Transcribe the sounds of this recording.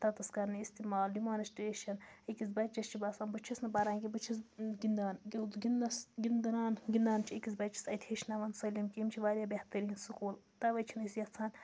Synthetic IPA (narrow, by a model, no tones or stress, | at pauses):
t̪ɐt̪ɐskɐɾnɨist̪imaːlɖimaːnisʈɾeːʃɐnikisbɐt͡ʃɐst͡ʃʰibɐsaːnbɨt͡ʃʰɐsnɐbɐɾaːŋkibɨt͡ʃʰisɡind̪aːnɡʲed̪ɡinɐsɡind̪ɐnaːnɡʲind̪aːnt͡ʃʰiikʲis̬bɐt͡ʃɐsɐt̪ʲʰeʃnɐʋɐnsɐlʲimkimt͡ʃʰiʋaːɾʲjaːbɐht̪ɐɾiːnsukuːl | t̪ɐʋɐt͡ʃʰinisjɐt͡sʰaːn